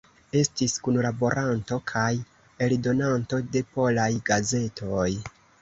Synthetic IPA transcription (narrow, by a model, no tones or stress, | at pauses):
e̞stiskunlabo̞ɾʔanto̞kʰaj | e̞ldo̞nanto̞de̞po̞lajɡaze̞tʰo̞j